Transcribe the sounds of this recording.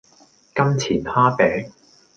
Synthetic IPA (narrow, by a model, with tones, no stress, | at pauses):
kɐ˥mt͡sʰiː˨˩nhaː˥pɛː˨˥ŋ